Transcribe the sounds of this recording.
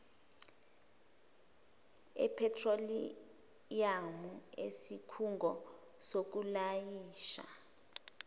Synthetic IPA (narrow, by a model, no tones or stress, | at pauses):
ɛ̰pʰɛtʰroli | jamuḛsikʰuŋɡʱɔ | sok̬ulajiːʃa̰